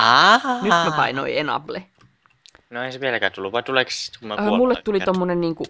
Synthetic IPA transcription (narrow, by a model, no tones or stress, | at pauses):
ɑhɑnyt̪mæpɑ̰ino̰ienɑ̰ble | noeiseʋielækæːt̪ulːuʋʋɑit̪ulekssi̥t̪kumæmulːet̪t̪ulit̪omːonenniːŋku